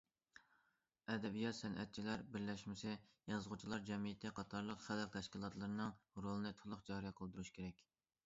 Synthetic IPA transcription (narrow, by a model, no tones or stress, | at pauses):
ɛd̪ɛbijɑt̪sɛnʔɛ̰t̪̚t͡ʃʰilæɾbɪɾlɛʃmɪsɪ | jɑzʁʊt͡ʃʰilˠɑɾd͡ʒɛmijɪt̪ʰɪqʰɑt̪ʰɑɾlˠəqχælˠk̚t̪ʰɛʃkʲilˠɑt̪lˠɨɾɨnɨŋɾolˠɨnɨt̪ʰolˠʊqd͡ʒɑɾijɑqʰəlˠd̪uɾuʃkʲʰeɾɛkʲ